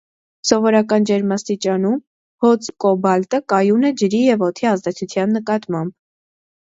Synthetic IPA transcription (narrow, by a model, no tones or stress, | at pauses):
sɔvɔɾɑkɑnd͡ʒɛɾmɑst̪it͡ʃɑnum | hɔt͡sʰkɔbɑlt̪əkɑjunɛd͡ʒəɾijɛvɔt̪ʰiɑzd̪ɛt͡sʰut͡sʰjɑnːəkɑt̪mɑmb̥